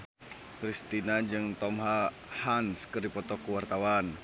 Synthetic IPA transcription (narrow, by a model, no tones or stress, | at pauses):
kɾist̪inad͡ʒɨŋt̪ɔmɦa | hanskɨrdipɔt̪ɔkuwart̪awan